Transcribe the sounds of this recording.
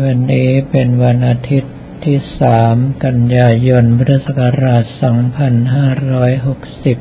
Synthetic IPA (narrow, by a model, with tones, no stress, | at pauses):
wa˧nːiː˦˥pe˧nwa˧nʔaː˧t̪ʰi˦˥t̪ʰːiː˥˩saː˩˦mka˧njaː˧jo˧npʰa˦˥t̪ʰa˥˩sa˨˩ka˧ɾaː˨˩t̪̚sɔː˩˦ŋpʰa˧nɦaː˥˩ɾɔː˦˥jɦo˨˩k̚si˨˩p̚